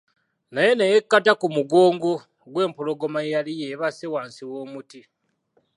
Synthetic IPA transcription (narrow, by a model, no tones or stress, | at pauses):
naje̞nejekːatakumuɡo̞ːŋɡo̞ | ɡwe̞ːmpulo̞ɡo̞majalijeβasewaːnsiwo̞ːmuti